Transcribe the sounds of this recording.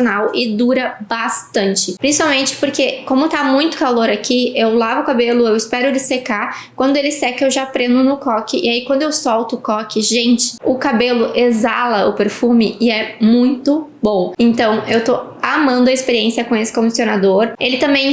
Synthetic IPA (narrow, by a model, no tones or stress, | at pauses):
onawʔɪd̪uɾɐbast̪ɐ̃nt͡ʃɪpɾĩsi̥pawmẽnt͡ʃɪ̥poɾkekõmʊt̪amũj̃t̪ʊ̥kaloɾakiewlavʊkabelʊewɪspɛɾʊlɪseka | kwɐ̃nd̪ʊelɪsɛkɐewʒapɾẽnd̪ʊnʊkɔkɪʔɪaikwɐ̃nd̪ʊewsɔwt̪ʊːkɔkɪʒẽnt͡ʃɪ̥ʊkabelʊʔezalɐʊpeɾfũmɪɪɛmũj̃t̪ʊbõw̃ẽnt̪ɐ̃w̃ewt̪oamɐ̃nd̪ʊɐɪspeɾiẽsiɐkõesɪ̥kõd͡ʒisionad̪oɾelɪt̪ɐ̃mbẽj̃